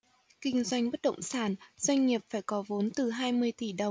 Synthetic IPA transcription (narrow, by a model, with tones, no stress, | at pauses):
kï˧ŋ̟zwa˧jŋ̟ɓə˦˥t̚ɗə̰˧˨wŋ͡msaː˧˩nz̥wa˧jŋ̟ŋi˨˩əp̚faː˧˩jkɔ˨˦vo˨˦nt̪ɨ˨˩ɦaː˧jmɨ˧əjt̪i˧˩ɗə˨˩ŋ͡m